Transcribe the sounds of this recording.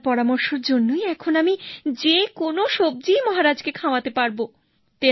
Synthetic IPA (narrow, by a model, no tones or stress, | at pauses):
pɔɾamoɾʃoɾd͡ʑonːojɛkʰonamid͡ʑekonoʃob̚d͡ʑimɔɦaɾad͡ʑkekʰaoat̪epaɾbo | t̪e